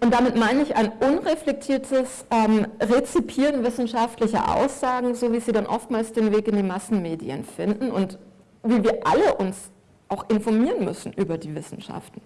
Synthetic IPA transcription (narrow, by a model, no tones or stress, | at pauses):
ʔʊntd̥amɪtmaɪnəɪça̰ɪnʔʊnʁɛflɛk̚tʰiːɐtʰəs | ɛmʁet͡sipʰiːʁənvɪsn̩ʃaftlɪçɐ̰ʔa̰ʊsz̥aːɡŋ̩zoːviːziːdanʔɔftmaːlsd̥eːnveːkɪndiːmasn̩meːdiə̰nfɪndn̩ʊ̰nt | viːviːɐʔaləʔʊns | ʔaʊxʔɪnfɔɐmiːʁənmʏsn̩ʔyːbɐdiːvɪsn̩ʃa̰ftn̩